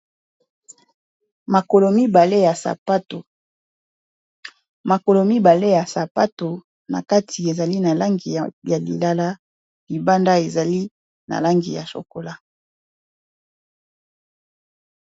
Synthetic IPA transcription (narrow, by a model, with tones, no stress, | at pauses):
ma˨ko˨lo˨mi˦ba˨le˦ja˨sa̰˨pa˦to˨ | ma˨ko˨lo˨mi˦ba˨le˦ja˨sa˨pa˦to˨ | na̰˨ka˦tʰi˨e˨za˨li˦na˨la˦ŋɡi˨ja˨lḭ˨la˦la˦ | li˨ba˦nda˦e˨za˨li˦ | na̰˨la˦ŋɡḭ˨ja̰˨so̰˨ko˨la˦